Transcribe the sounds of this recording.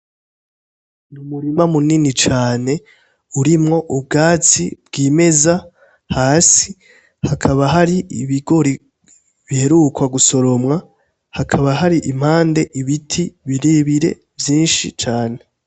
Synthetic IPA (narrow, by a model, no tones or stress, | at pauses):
numuɾimamuninit͡ʃaːne̞ | uɾimŋo̞ʔubɡaːt͡sḭbɡiːme̞za | haːsi | hakʰaβaɦaɾiiβiɡo̞ɾi | βihe̞ɾukwaɡuso̞ɾo̞mŋa | hakʰaβaɦaɾiʔim̥haːnde̞ʔiβitʰiβiɾeβiɾe̞̰ | vjiːnʃit͡ʃaːne̞